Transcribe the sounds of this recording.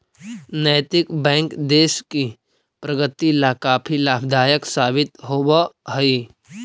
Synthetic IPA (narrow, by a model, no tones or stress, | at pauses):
nəjt̪ɪkbɛ̃ːŋkd̪eːʃki | pɾɐɡət̪ilaːkaːpʰilaːbd̪ʱaːjəksaːbɪt̪ɦoːbəɦɐi